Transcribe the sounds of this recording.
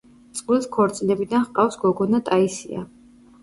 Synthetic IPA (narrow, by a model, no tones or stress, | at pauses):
t̪sʼqʼwilskʰɔɾt̪sʼinɛbid̪anχqʼafsɡɔɡɔnat̪ʼaisḭa̰